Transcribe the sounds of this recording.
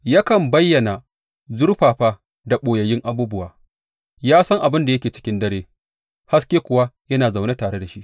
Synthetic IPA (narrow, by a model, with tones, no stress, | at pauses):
ja˦kɐ˨mbɐ˦jːɐ˨na˨ | zʊ˦ɽɸaː˨ɸaː˦ | da˨ɓoː˨jɐ˨jɪ˦ŋʔa˦buː˦bʊ˦waː˨ | jaː˦sɐ˦ŋʔa˨bɪ˦nda˨jɐ˦kʲeː˨t͡ʃɪ̥˦kʲɪ˦ndɐ˦ɽeː˦ | ha˦skʲeː˦kʷʊ˨wa˦jɐ˦naː˨za˨wna˦taː˨ɽe˦da˨ʃi˦ʔ